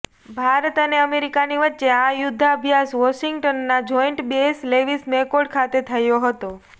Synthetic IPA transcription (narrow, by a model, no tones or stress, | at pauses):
bʱaɾət̪əneəmeɾikaniʋətːʃeajʊd̪ʱːaəbʱjasʋɔʃiŋɡʈənːad͡ʒɔjɳʈbesleʋismekoɽkʰat̪et̪ʰəjoɦət̪o